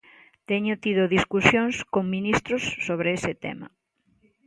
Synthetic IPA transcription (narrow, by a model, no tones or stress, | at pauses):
t̪ɛɲʊt̪iðʊðiskusjoŋskoŋminist̪ɾʊsːoβɾɪesɪt̪ɛ̰mɐ̰